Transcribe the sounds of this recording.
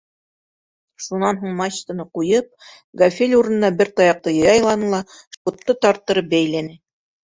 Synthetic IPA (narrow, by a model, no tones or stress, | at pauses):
ʃunɑnɦuɴmɑɕt̪ɤ̆nɤqujɤp̚ | ɡɐfʲelʲuɾɤ̆nɤ̆nɑbɘɾt̪ɑjɑq̚t̪ɤjɤjɑjlˠɑnɤlˠɑ | ʃpŏt̪ːɤt̪ɑɾt̪ːɤ̆ɾɤp̚bæjlænɘ